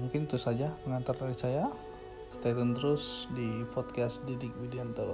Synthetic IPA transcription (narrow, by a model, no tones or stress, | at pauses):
muŋkɪnit̪usad͡ʒaməŋant̪ardaɾisaja | st̪at̪ənt̪əɾʊsdipɔt̪̚kasdidɪk̚widiant̪əl